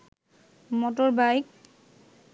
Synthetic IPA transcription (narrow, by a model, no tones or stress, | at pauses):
mɔtɔɹbajk̚